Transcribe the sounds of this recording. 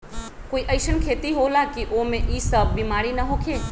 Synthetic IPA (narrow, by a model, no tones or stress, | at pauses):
koiʔəɪsənkʰeːt̪iɦolakiʔomẽʔiːsəbːimaːɾinəɦokʰe